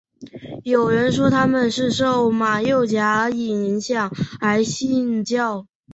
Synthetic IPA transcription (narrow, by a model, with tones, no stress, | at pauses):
jo˨˩ʊɻə˧˥nʂ̬wɔ˥t̪ʰa˥mə˨nʂɻ̩˥˧ʂo˥˩ʊma˨˩jo˥˩ʊt͡ɕja˧˥˧i˨˩ni˧˥nɕjɑ˨˩ŋa˧˥ɪɕi˥˧nt͡ɕjɑ˥˩ʊ